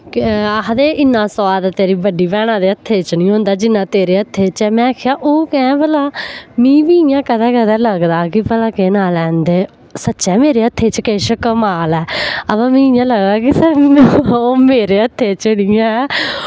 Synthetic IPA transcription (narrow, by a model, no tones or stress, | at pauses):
kəɦd̪eːʔɪnːãːsəʋaːd̪t̪eːɾiːbəɖiːʋɛːɽ̃ãːd̪eːət̪ʰːeːt͡ʃnĩːɦõːnd̪aːd͡ʒɪnːãːt̪eːɾeːət̪ʰːeːt͡ʃɛːmɛ̃ːkʰːjaːʔoːkɛ̃ːbəlaːmĩːʋiːɪjãːkəd̪ɛːkəd̪ɛːləɡd̪aːkɪpəlaːkeːnaːlɛ̃ːnd̪eː | sətːʃɛːmeːɾeːət̪ʰːeːt͡ʃkeːʃəkəmaːlɛːəbãːmĩːɪjãːləɡd̪aːkisəɾ | omeːɾeːət̪ʰːeːt͡ʃəɽĩːɛ̃